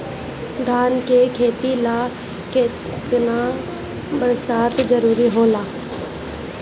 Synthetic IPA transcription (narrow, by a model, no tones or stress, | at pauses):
d̪ʱaːnkekʰeːt̪ilaː | kɪ | t̪naː | bəɾsaːt̪d͡ʒəɾuːɾiɦoːlaː